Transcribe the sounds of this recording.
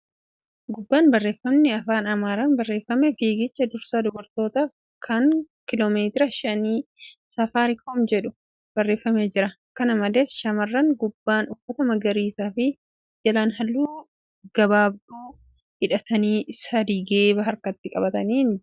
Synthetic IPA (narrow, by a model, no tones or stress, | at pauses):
ɡʊbːaːnbɐrːe̞ːfːɐmnɪɐfaːnɐmaːɾanbɐrːe̞ːfːɐmɛfiːɡɪt͡ʃːɐd̪ʊɾsaːd̪ɔbɔɾt̪o̞ːt̪aːf | kʰɐŋ | kɪloːmeːt̪ɪɾɐʃɐniːsɐfaːɾɪkɔmd͡ʒɛᶑʊ̥ | b̥ɐrːe̞ːfːɐmeːd͡ʒɪɾɐ | kɐnɐmɐleːsʃɐmɐrːɐŋɡʊbːaːnʊfːɐt̪ɐmɐɡɐɾiːsaːfɪ | d͡ʒɐlaːnɦɐlːuː | ɡ̥ɐbaːb̚d̪uː | hɪᶑɐt̪ɐniːsɐd̪iːɡeːbɐɦɐɾkɐt̪ːɪkʼɐbɐt̪ɐniːn